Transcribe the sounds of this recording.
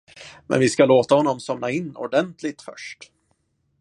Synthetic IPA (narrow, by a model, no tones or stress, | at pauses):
mɛ̰nvɪskaloːt̪ahɔnːɔmsɔmnaɪnːɔ̰ɖɛnt̪ʰlɪt̪fœ̰ʂʈ